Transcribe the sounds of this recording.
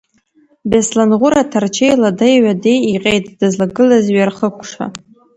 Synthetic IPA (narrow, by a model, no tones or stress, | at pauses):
beslanʁʷʊɾatʰart͡ʃʰejladajɥadejiqʲʼejt̚ʰʼd̥ɨzlaɡɨlazɥarχəkʷʰʼʂa̰